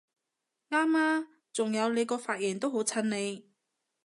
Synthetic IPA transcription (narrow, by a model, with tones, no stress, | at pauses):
ŋaː˥maː˥ | t͡sʊ˨˩ŋjɐ˨˧wne˨˧jkɔː˧faː˧t̚jɛː˨˩nt̪o˥wɦo˨˥wt͡sʰɐ˧nne˨˧j